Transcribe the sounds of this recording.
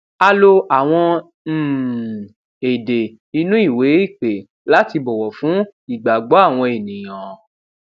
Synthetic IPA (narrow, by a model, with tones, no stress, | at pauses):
a˧lo˧a˨w̃ɔ̃˧˦˨ | e˨de˨ | i˧nũ˦i˦˨we˨˦i˦˨k͡pe˨˦ | la˦ti˧bɔ˨wɔ˨fũ˨˦i˨ɡ͡ba˨ɡ͡bɔ˨˦a˦˨w̃ɔ̃˧e˨nĩ˨j̃ã˨